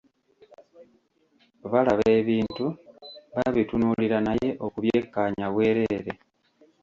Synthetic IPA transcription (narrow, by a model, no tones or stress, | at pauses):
βalaβe̞ːβiːntuβaβitunuliɾanaje̞ʔo̞kuβje̞ːkːaːɲaβwe̞ːɾe̞ɾe̞